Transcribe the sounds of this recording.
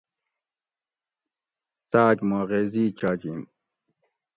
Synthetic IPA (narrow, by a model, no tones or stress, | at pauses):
t̪aːkmaʁeːziːt͡ɕaːd͡ʑim